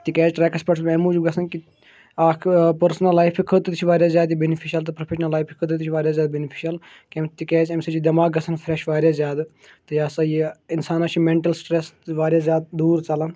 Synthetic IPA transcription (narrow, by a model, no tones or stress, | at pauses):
t̪ikeːd͡ʒʈɾɛːkɐspɐʈsmemud͡ʒuɡɐsʰɐnki | aːkʰpəɾsnɐlːaːjpʰikʰət̪t̪t͡ʃʰiʋaːɾjaːzjaːd̪ibenipʰiʃɐlt̪ɨpɾɐpʰeːʃnɐlːaːjpʰikʰət̪it̪it͡ʃʰiʋaːɾjaːzʲjaːd̪benipʰiʃɐl | kemt̪ikeːd͡ʒemsɐt͡ʃid̪ɐmaːɡɡɐsɐnfʰɾeʃʋaːɾʲjaːzʲjaːd̪ | t̪ɨjaːsɐjiinsaːnaːt͡ʃʰimeɳʈɐlsʈɾesʋaːɾjaːzʲjaːd̪̚d̪uːɾt͡ʃɐlɐn